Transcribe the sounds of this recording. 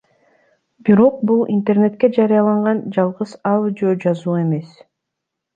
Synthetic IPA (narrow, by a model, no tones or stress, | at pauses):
biɾo̞q̚bulˠḭnt̪e̞rne̞t̪ke̞d͡ʒɑɾijɑlˠɑɴʁɑnd͡ʒɑlˠʁɯsɑlˠd͡ʒod͡ʒɑzuːe̞me̞s